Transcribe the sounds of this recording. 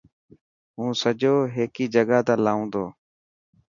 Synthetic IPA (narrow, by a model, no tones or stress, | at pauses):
ɦũːsəd͡ʒoːɦeːkiːd͡ʒəɠaːt̪aːlaːũːd̪oː